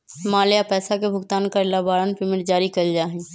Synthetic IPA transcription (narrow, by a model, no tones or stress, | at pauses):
maːljapɛːsakebʱʊɡt̪aːnkalabaːɾənpɪmɪɾd͡ʒaːɾikəld͡ʒaːɦɛ̃